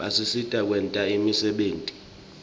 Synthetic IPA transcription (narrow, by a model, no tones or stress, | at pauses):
asisitʼak̬ʼwɛntʼaimisɛɓeːntʼi̥